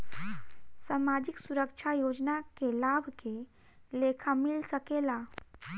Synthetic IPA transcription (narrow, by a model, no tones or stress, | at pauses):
samad͡ʒɪksuɾəkʃʰajoːd͡ʒnakelabʱke | leːkʰamɪlsəkela